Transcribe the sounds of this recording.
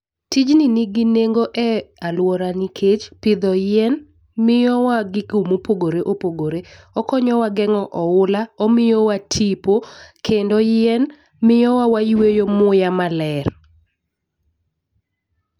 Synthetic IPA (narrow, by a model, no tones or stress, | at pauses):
tid͡ʒniniɡineŋɡoʔɛalwɔɾanikʰet͡ʃpɪd̪ɔjɪɛn | mɪjɔwaɡɪkumopoɡoɾeʔopoɡoɾe | ɔkɔɲɔwaɡɛŋɔʔɔʊlaɔmɪjowatʰipokʰendɔjɪɛn | mɪjɔwawajwejomʊjamalɛr